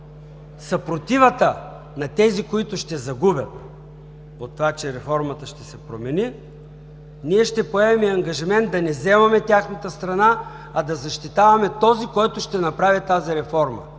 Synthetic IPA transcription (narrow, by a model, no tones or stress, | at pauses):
sɐpɾot̪ivət̪ə | nɐt̪ɛzikoit̪ʊʃt̪ɛzɐɡubʲjɐt̪̚ | ot̪ːovat͡ʃɛɾɛfɔɾmɐt̪əʃt̪ɛsɛpɾomɛni | niɛʃt̪ɛpoɛvɛmiɐŋɡɐʒimɛnt̪̚d̪ɐnɛzɛmɐmɛt̪ʲaxnɐt̪əst̪ɾɐna | ɐd̪ɐzɐʃt̪it̪avɐmɛt̪ɔzikɔjt̪ʊʃt̪ɛnɐpɾavit̪aziɾɛfɔɾmə̰